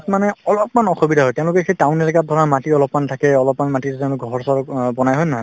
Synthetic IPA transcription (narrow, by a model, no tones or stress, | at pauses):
tmanɛɔlɔpmanɔxobidʱaɦɔjtɛʊ̃lʊkɛxejtaʊ̃nɛlikat̚dʱɔɹamatiɔlɔpmantʰakɛɔlɔpmanmatitɛʊ̃lʊkɡʱɔɹsɔɹbɔnajɦɔjnaɦ